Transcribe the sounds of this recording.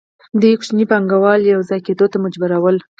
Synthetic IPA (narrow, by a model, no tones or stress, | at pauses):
d̪əkʃnipaŋɡawɑljawzɑjked̪ot̪amʊd͡ʒbaɾawəl